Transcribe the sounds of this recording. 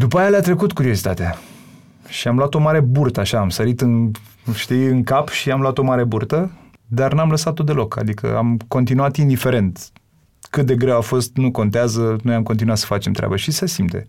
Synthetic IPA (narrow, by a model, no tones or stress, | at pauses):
d̪upajealeat̪ɾe̞kut̪kuɾio̞zit̪at̪ea | ʃiamloat̪o̞maɾe̞burt̪əaʃaːmsəɾit̪ɨn | ʃt̪iɨŋkapʃiamloat̪o̞maɾeburt̪ə | d̪arnamləsat̪ːod̪e̞lo̞ka̰d̪ikə̰a̰mko̞nt̪inuat̪ind̪ife̞ɾe̞nt̪ | kɨt̪̚d̪e̞ɡɾewafo̞st̪nuko̞nt̪eazəno̞jamko̞nt̪̬inuat̪sə̥fat͡ʃemt̪ɾea̰bəʃisesimt̪ḛ